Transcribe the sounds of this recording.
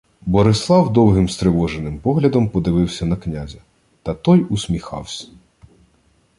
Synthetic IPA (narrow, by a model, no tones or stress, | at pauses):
bɔɾɪslˠɑwd̪ɔwɦɪmst̪ɾɪʋɔʒenɪmpɔɦlʲɐd̪ɔmpɔd̪ɪʋɪwsʲɐnɐknʲazʲɐ | t̪ɐt̪ɔjʊsʲmʲixɑ̰wsʲɐ̥